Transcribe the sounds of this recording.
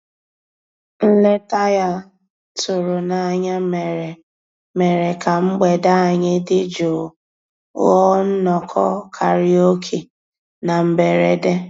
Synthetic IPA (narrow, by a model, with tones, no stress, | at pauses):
n̩˦le˦ta˦ja˦ | tʊ˨ɾʊ˨na˨ɲa˦me˨ɾe˨ | me˨ɾe˨ka˨ŋ͡m̩˦ɡ͡be˨da˦a˨ɲe˦dɪ˦d͡ʒo˨ | ɣɔ˦n̩˦nɔ˨kʰɔ̰˦kʰa˨ɾi˦o˦kʰi˨ | na˨m̩˨be˨ɾe˨de˦